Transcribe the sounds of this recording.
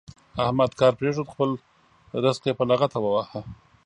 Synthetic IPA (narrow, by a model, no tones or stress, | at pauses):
ahmad̪kɑɾpɾeʐod̪xpəl | ɾɪsqepalaɣat̪awawaha